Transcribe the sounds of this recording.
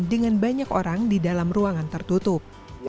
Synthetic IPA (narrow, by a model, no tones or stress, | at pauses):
ndəŋanbaɲakoɾaŋdidalamruaŋant̪ərt̪ut̪ʊp̚